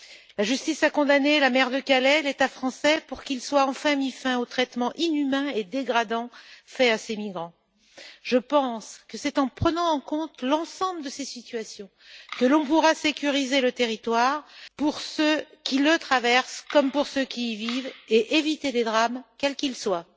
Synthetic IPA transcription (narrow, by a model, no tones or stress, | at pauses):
laʒyst̪isakɔ̃d̪anelamɛʁd̪əkalɛlet̪afχɑ̃sɛpuʁkilswaɑ̃fɛ̃mifɛ̃ot̪χɛt̪mɑ̃ʔinymɛ̃ed̪eɡʁad̪ɑ̃fɛasemiɡʁɑ̃ | ʒ̥əpɑ̃skəsɛt̪ɑ̃pχənɑ̃ːkɔ̃t̪lɑ̃sɑ̃bləd̪əsesit̪ɥasjɔ̃ | kəlɔ̃p̬uʁasekʲyʁizelət̪eʁit̪waʁpuʁsøkʲilət̪χavɛʁskɔmpuʁsøkʲiːviveʔevit̪eled̪ʁamkʲɛlkilswa